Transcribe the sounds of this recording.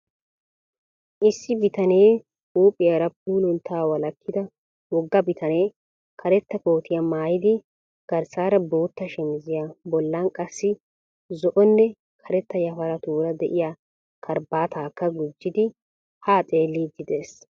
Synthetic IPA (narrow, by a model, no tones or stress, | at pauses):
ʔɪsːɪbɪt̪ɐne̞ː | huːpʼːɪjɐɾɐp̚uːlʊnt̪ʰːaːwɐlɐkːɪd̪ɐ | wɔɡːɐbɪt̪ʰɐne̞ː | kʰɐɾɛt̪ːɐko̞ːt̪ʰɪjɐmaːjɪd̪ɪ | ɡ̥ɐɾsaːɾɐbo̞ːt̪ːɐʃɛmɪzɪjabɔlːankʼɐsːɪ | zɔʔɔnːɛ | kʰɐɾɛt̪ːɐjɐfɐɾɐt̪uːɾɐd̪ɛʔɪja | kʰɐɾbaːt̪aːkːɐɡʊd͡ʒːɪd̪ɪ | haːt͡sʼe̞ːlːid̪ɪd̪e̞ːs